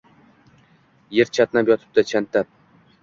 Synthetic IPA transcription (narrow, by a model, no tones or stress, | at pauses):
jeɾt͡ʃʰat̪napjɒt̪ʰɪ̥p̚d̪at͡ʃʰant̪ːap̚